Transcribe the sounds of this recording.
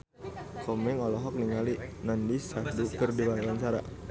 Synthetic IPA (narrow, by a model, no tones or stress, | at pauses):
kɔmɛŋɔlɔɦɔk̚niŋalinandisadukərdilalaɲt͡ʃaɾa̰